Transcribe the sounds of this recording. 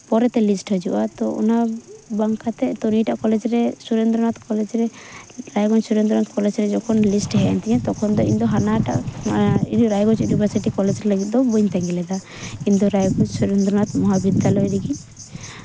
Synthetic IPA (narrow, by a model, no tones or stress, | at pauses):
pɔɾɛt̪ɛlisʈɦəd͡ʒṵʔat̪ɔɔ̰nabaŋkat̪ɛt̪ɔniʈaʔkɔlɛd͡ʒɾɛsuɾend̪ɾɔnat̪kɔlɛd͡ʒɾɛɾajɡɔɲsuɾend̪ɾɔnat̪kɔlɛd͡ʒɾɛd͡ʒɔkʰɔnlisʈɦɛɛ̰nt̪ɛɛ̃t̪ɔkʰɔnd̪ɔḭɲd̪ɔɦanaʈa̰ʔ | ɾajɡɔt͡ʃjunibʰʱəɾsiʈikɔlɛd͡ʒɾɛləɡit̪̚d̪ɔbɔɲt̪ɛŋɡɛlɛd̪a | kiɲd̪ɔɾajɡɔt͡ʃsuɾend̪ɾɔnat̪mɔɦabid̪alɔiɾiɡiɲ